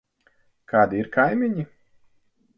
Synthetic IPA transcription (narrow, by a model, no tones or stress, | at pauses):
kʰaːd̪iiɾkʰajmʲiɲi